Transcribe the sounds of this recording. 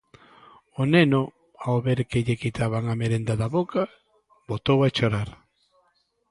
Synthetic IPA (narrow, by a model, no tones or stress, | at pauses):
oneno | aoβeɾkeʎekit̪aβaŋameɾend̪aðaβoka | bot̪owat͡ʃoɾaɾ